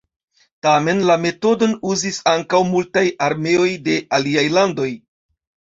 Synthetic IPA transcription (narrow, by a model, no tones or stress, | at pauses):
tame̞nlame̞to̞do̞nuzisaŋkawmultajaɾme̞o̞jde̞ʔaliajlando̞j